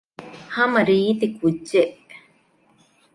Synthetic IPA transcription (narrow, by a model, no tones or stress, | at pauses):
hamaɾiːt̪ikut͡ʃːeʔ